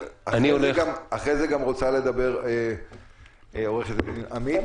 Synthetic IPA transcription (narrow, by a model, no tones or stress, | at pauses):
aaieozneɡamaχʁezeɡamʁo̞t͡sale̞d̪abe̞ʁe | o̞ʁeχet̪eniʔami